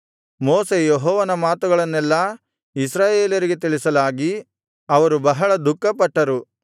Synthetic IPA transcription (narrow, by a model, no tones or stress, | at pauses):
mɔːse̞jeɦɔːʋɐnɐmaːt̪uɡɐɭɐnːɛlːɐ | isɾaːje̞ːljɐɾiɡet̪iɭisɐlaːɡi | ɐʋɐɾubɐɦɐɭɐd̪ukːɐpɐʈːɐɾu